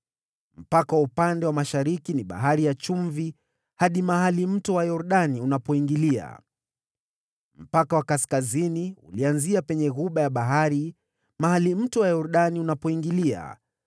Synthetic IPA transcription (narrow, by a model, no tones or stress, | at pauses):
m̩pakawaupandɛwamaʃaɾikiniɓa̰ɦaɾijat͡ʃuɱvi | haɗimaɦalim̩tɔwajɔɾuɗaniunapɔiŋɡilia̰ | m̩pakawakaskaziniṵlianziapɛɲɛɣuɓajaɓaɦaɾi | mahalim̩tɔwajɔɾuɗaniunapɔiŋɡilia̰